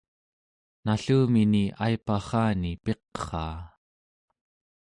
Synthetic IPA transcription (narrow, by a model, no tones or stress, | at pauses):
naɬuːminiʔajpaχɑːnipe̞qχɑ̰ː